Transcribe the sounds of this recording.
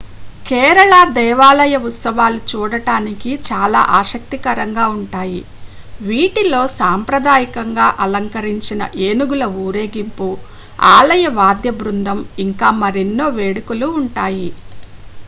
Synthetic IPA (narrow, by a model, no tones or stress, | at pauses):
kɛːɾɐɭad̪ɛːʋaːlɐjɐut̪sɐʋaːlut͡ʃuːɽɐʈaːnikit͡ʃaːla̰ːʔaːʃɐk̚t̪ikɐɾɐŋɡaːuɳʈaːji | ʋiːʈilo̞ːsaːmpɾɐd̪aːjikɐŋɡaːʔɐlɐŋkɐɾiɲt͡ʃinɐ̰ʔeːnuɡulɐuːɾeːɡimpu | aːlɐjɐʋaːd̪jɐbɾund̪ʱɐmiŋkaːmɐɾe̞nːo̞ːʋe̞ːɽukuluːɳʈaːji